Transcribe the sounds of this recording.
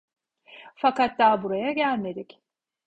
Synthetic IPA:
fakat̪̚d̪aːbuɾajaɟælʲmed̪ic

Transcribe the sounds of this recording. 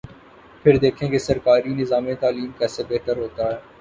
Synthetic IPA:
pʰɪɾd̪eːkʰẽːkesɐɾkaːɾinɪzaːmẽt̪aːliːmkɛːsebeːʈ̪əɾɦoːt̪aɦɛː

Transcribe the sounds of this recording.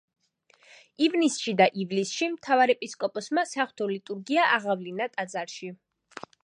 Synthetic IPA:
ivnisʃid̪aʔivlisʃimt̪ʰavaɾɛpʼiskʼɔpʼɔsmasaχwt̪ʰɔlit̪ʼuɾɡiaʔaʁavlinat̪ʼad̪zaɾʃi

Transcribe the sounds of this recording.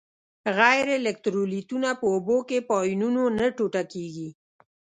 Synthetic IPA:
ɣajɾelɪk̚t̪ɾolit̪unapəobokepɔjnunonəʈoʈakeɡi

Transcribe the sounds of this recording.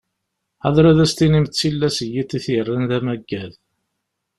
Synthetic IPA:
æðˤɾæðæst̪inimt̪t͡sːilːæsəjit̪ːiθərːənðæmæɡːæð

